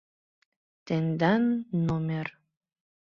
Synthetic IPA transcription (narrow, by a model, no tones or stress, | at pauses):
t̪enʲd̪anːomʲer